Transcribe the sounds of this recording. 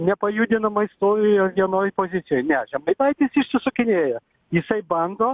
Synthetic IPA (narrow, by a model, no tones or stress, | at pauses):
nʲɛpɐjuːd̪ʲɪnɐmɐɪst̪oːɾʲɪjoːʋʲiɛnoːjpoːzʲɪt̪sʲɪjoːjnʲɛʒʲɛmɐɪd̪ɐɪt̪ʲɪsɪʃʲsʲɪsʊkʲɪnʲeːjɛ | jɪsɐɪbɐnd̪oː